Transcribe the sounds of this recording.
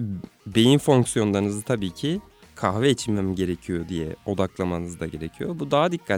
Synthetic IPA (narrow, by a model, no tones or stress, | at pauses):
be̞jinfo̞ŋksjo̞nlˠanɯzɯt̪ʰabiːcʰi | kʰaxvɛːt͡ʃʰimɛmɟe̞ɾecʰijo̞d̪ijɛ̰o̞d̪aklˠamanɯzd̪aɟe̞ɾecʰijo̞bud̪aɦad̪ikʰːa